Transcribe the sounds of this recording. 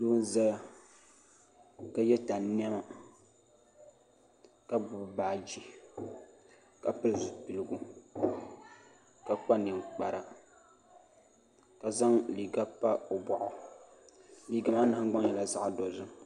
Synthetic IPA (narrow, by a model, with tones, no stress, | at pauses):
luː˦n˦za˦ | ka˦jɛ˦ta˨n˦ni˦ɛ˦ma˨ | ka˦bu˦bbaː˦˨d͡ʒi˦ | ka˨pɨ˦lzu˨pi˨lɨ˨ɡu˦ | ka˦k͡pa˦nɨ˨ŋk͡pa˨ɾa˨ | ka˨za˦ŋli˨ɡa˦pːa˦o˨bɔ˨ʔʊ˨ | liː˦ɡa˨ma˦nɨ˨a˦ŋ˦ɡ͡ba˦ŋ˦jɛ˨la˦za˦ʔa˨do˨zɨ˦